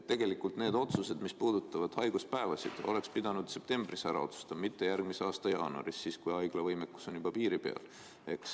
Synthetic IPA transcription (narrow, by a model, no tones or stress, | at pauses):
et̪ːe̞ɡ̥e̞likːˑult̪ne̞ːd̪̥o̞t̪suse̞d̪mispuːd̪̥ut̪ˑːɑvɑd̪̥hɑjɡ̥uspæevɑsḭd̪̥o̞̰le̞kspid̪̥ɑnud̪̥se̞p̚t̪e̞mb̥risæɾɑ̰o̞t̪su̥st̪ɑmit̪ːe̞jærɡ̚miseɑːst̪ɑjɑːnuɑ̰ɾisːiːskujɑjɡ̥lɑvɤjmekːˑu̥so̞njubɑpiːɾipe̞̰ɑ̰l | e̞ks